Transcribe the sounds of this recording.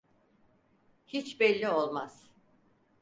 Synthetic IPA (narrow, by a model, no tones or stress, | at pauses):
hit͡ʃbɛlʲːio̞lˠmaz̥